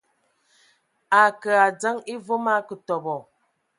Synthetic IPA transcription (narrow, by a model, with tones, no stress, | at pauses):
a˨kə˨a˨d͡za˦ŋi˦vo˦ma˦kə˨tɔ˨bɔ˨